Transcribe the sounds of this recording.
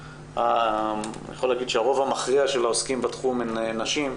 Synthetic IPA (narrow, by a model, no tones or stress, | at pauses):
a | jḛχo̞laːɡid̪ʃeaʁo̞vamaχʁiaʃelaoskimbat̪χumenenaʃim